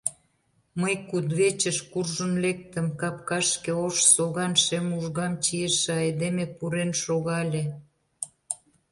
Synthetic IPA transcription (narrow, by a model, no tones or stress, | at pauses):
məjkud̪βet͡ɕəʃkurʒənlek̚t̪ə̆mkɑpkɑʃkeoʃsoɣɑnʃemuʒɣɑmt͡ɕijəʃeɑjd̪emepuɾenʃoɣɑlʲe